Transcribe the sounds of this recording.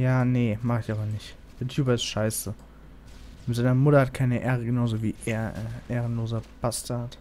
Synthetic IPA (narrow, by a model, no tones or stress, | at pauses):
jaːnəmaχəɪçʔaːbɐnɪçt | d̥eːɐtʰjuːbɐɪstʃaɪsə | mɪtz̥aɪnɐmʊtɐhat̚kʰaɪnəʔeːʁəɡənaʊzoːviːʔeːɐʔeːʁənloːzɐb̥astʰat